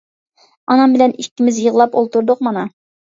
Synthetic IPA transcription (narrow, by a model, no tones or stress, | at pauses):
ɑnɑmbɪ̆lɛnikʲːɪmɪzjɤʁlˠɑpolˠt̪uɾd̪ʊqmɑnɑ